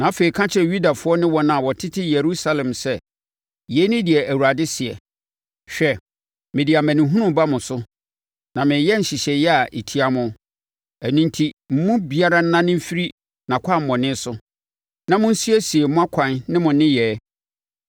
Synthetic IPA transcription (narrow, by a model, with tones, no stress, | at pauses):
nã˨a˦fe˨i˨kʰã˦t͡ɕʰɪ˦ɛ˦˨ju˦da˨fʊ˨˦ɔ˦nɪ̃˦wɔ˦nã˨wɔ˨tʰɪ˦tʰɪ˦je˨ɾu˦sa˦lɛ̃˨msɛ˦ | jɛ˨˦nɪ̃˦dɪ˨ɛ˨ʔæ˨wu˨ɾa˨dɪ˦sɪ˨ɛ̰˨ | ɕᶣɛ˦ | mɪ̃˨di˨a˨mæ̃˨nɪ̃˨ɦũ˦nʊ̃˦m˨ba˦mʊ̃˨sʊ˦ | nã˨mɪ̃˨˦jɛ˦n̩˨ɕi˨ɕɛ˨jɛ˦a˨ʔi˨tʰi˦a˨mʊ̃˦ | æ˨nũ˦ntʰi˦m̩˦mʊ̃˦bi˨a˦ɾa˦n̩˦nã˦nɪ̃˦m̩˦fi˦ɾi˦ | nã˨kʷʰa˦˨m̩˨mɔ̃˨nɪ̃˦sʊ˦ | nã˨mʊ̃˦n̩˦si˦ɛ˦si˨e˨mʊ̃˦a˦kʷʰã˨nnɪ̃˦mʊ̃˨nɪ̃˦jɛː˨˦